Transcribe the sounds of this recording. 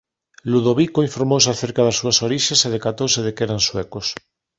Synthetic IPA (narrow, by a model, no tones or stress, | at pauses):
luðoβikoiɱfoɾmos̬aθeɾkaðasːuasoɾiʃeseð̞ekat̪oseðekeɾanswekos